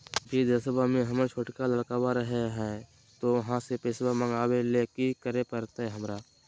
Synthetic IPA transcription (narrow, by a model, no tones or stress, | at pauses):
biːd̪əsəbamẽɦɐməɾt͡ʃʰoːʈkaləɽkaːbaɾəɦeɦɛ | t̪oʋɐɦãsepeːsbamə̃ŋɡaːwelekikəɾepəɾt̪aɦɛɦɐmɾaː